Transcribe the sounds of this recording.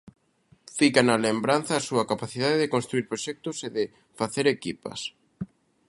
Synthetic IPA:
fikanɐlembɾanθɐːsuɐkapaθiðaðeðɪkonst̪ɾuiɾpɾoʃɛk̚t̪ʊseðɪ | faθeɾekipɐ̰s

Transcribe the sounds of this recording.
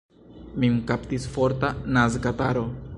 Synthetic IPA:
mimkaptisfo̞ɾtanazkataɾo̞

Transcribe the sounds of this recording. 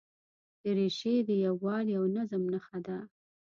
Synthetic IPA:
d̪̥əɾeʃed̪əjawːɑliawnazəmnaxad̪a

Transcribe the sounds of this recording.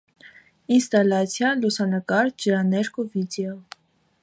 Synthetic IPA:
inst̪ɑlɑt͡sʰjɑlusɑnəkɑɾd͡ʒəɾɑnɛɾkʰuvid̪ɛɔ

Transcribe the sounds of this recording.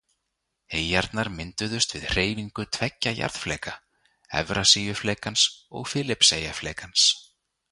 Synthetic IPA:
eːjjaɾt̪naɾmɪnt̪ʏðʏst̪vɪðr̥eːjviŋkʏt̪ʰvɛcːaja̰ɾð̥flɛːka | ɛ̰vɾasiːjʏflɛːkansɔ̰ɣfɪːlɪpseːjaflɛːkans

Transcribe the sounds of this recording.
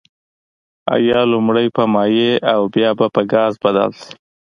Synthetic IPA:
a̰jɑlʊmɽəjpəmɑjeawbjɑbapəɡɑzbad̪a̰lsi̥

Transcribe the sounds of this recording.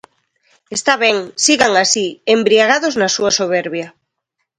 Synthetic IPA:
est̪aβ̞ɛŋsiɣaŋasiembɾiaɣ̞aðoznasuasoβ̞eɾβja

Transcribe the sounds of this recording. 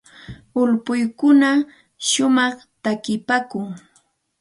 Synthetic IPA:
ʊlpʊjkʊna | ʃʊmɑχt̪akɪpaːkʊŋ

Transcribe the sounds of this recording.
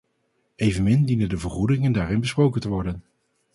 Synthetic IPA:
ejvənmɪndinəndəvəɹχudɪŋəndaːɾɪnbəsprowkəntəʋɔɹdən

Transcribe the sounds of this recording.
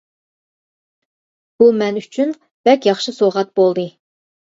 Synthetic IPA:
b̥umɛnyt͡ʃʰyn | b̥ɛkʲjɑχʃɨsoʁɑt̪̚b̥olˠd̪ɨ

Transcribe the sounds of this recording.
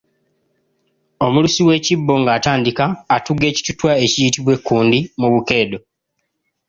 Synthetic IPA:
o̞mulusiwe̞ːcibːo̞ŋɡaːtaːndikaːtuɡːe̞ːci̥tutwae̞cijitiβwe̞kːuːndimuβuke̞ːdo̞

